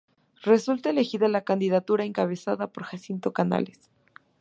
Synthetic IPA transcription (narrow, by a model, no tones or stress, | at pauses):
re̞sult̪aele̞xiðalakand̪iðat̪uɾaeŋkaβe̞saðapo̞ɾxasint̪o̞kana̰les